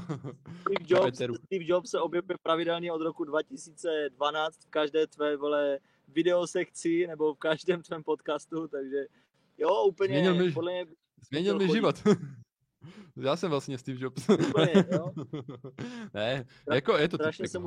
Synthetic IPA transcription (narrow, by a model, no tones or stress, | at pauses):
t̪ifd͡ʒoɛɛɾust̪ivd͡ʒopsɛʔo̞bjɛvujɛpɾavɪdɛlɲiod̪ɾokudvacɪsiːt͡sɛdvanaːt͡st̪fkaʒdɛːt̪vɛːvɛlɛ | vɪdɛosɛkt͡sɪnɛbo̞fkaʒdɛːmt̪vɛːmpot̪kaːst̪ut̪aɡʒɛ | jouːpl̩ɲɛɛɲɪlmɪpodlɛmɲɛb | zmɲɛɲilmɪʒɪvot̪ | jaːsɛmvlasɲɛst̪iːvd͡ʒopsupɲɛo | nɛ | jakojɛt̪oɾaʃɲɛsɛmu